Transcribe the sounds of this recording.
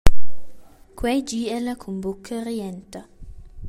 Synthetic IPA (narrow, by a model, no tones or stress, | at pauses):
kwɛd͡ʒiɛlakʰumbukʰːəɾiɛnt̪a